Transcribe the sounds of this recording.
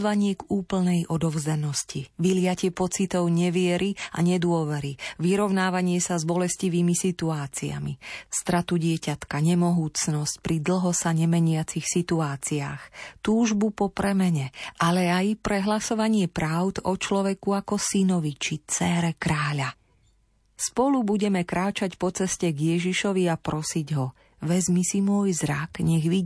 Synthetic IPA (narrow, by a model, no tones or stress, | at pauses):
zʋaɲɪɛɡuːpl̩nɛjʔɔd̪ɔʊzanɔsciʋilɪacɪɛpɔt͡sit̪ɔʊɲɛʋɪɛɾia̰ɲɛd̪ʊɔʋɛɾiʋiɾɔʊnaːʋaɲɪɛsazbɔlɛsciʋiːmisit̪uaːt͡sia̰mḭst̪ɾat̪uɟɪɛcat̪kaɲɛmɔɦuːt͡snɔsc̚pɾid̪l̩ɦɔsaɲɛmɛɲɪat͡sixsit̪uaːt͡sia̰ːxt̪uːʒbupɔpɾɛmɛɲɛʔalɛajpɾɛɦlasɔʋaɲɪɛpɾaʊd̪ɔt͡ʃlɔʋɛkuakɔsinɔʋit͡ʃit͡sɛɾɛkɾaːʎa | spɔlubuɟɛmɛkɾaːt͡ʃacpɔt͡sɛscɛɡjɛʒiʃɔʋiapɾɔsiɟɦɔ | ʋɛzmisimʊɔjzɾa̰kɲɛɣʋi